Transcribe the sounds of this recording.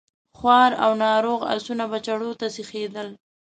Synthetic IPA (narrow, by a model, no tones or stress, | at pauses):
xwɑɾa̰wnɑɾoɣa̰sunabat͡ʃaɽot̪asixed̪əl